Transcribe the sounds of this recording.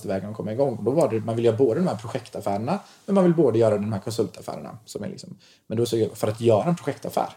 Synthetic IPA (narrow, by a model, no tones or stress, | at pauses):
t̪əvɛːɡankʰɔmːaɾɪɡɔŋːɔd̪ɔvaɖɛmanvɪljœːɾaboːd̪əd̪ɔmhæːɾpʰɾʊɧɛkt̪afæːɾəɳa | mɛnmanvɪlboːd̪əjœːɾad̪ɔmmhæːɾkʰɔnsɵlt̪afæ̰ːɾə̰ɳa̰sɔmɛ̰lɪ̰ksɔm | mɛnd̪ɔsɔjfœɾat̪jœːɾaɛnpʰɾʊɧɛkt̪a̰fæ̰ːɾ